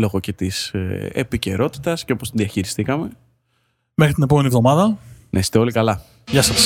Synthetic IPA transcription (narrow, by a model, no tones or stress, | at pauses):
lo̞ɣo̞ce̞t̪isḛpice̞ɾo̞t̪i̥t̪ɐsceo̞post̪inðiɐçiɾist̪ikɐme̞ | mexɾit̪ine̞pome̞nievðo̞mɐðɐnʔesi̥t̪eo̞likɐlɐ | ʝɐsɐs